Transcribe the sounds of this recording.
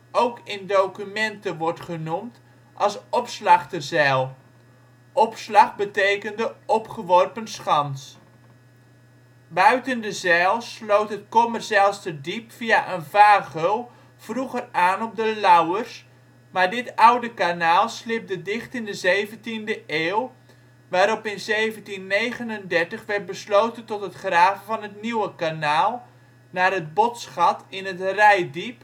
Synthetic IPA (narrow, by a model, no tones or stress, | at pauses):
ʔowkɪndowkymɛntəʋɔrtχənumt | ʔɑlˠsɔpslɑχtərzɛlˠ | ʔɔpslɑχbətejkəndəɔpχəʋɔrpənsχɑns | bœɥtəndəzɛlˠslowtɦətkɔmərsaːlˠstədipfiaʔənvaːɣow | v̥ruɣəraːnɔb̚dəlawərs | maːɹdɪtawdəkanaːlˠslɪp̚dədɪχtɪndəzejvəntindəʔeːw | ʋaːɾɔpɪnzeːvəntinːejɣənəndɛrtəχʋɛrt̚bəsloːtəntɔtɦətχraːvəvɑnɦətniwəkanaːlˠ | naːrɦət̚bɔtsχɑtɪnətrɛjdip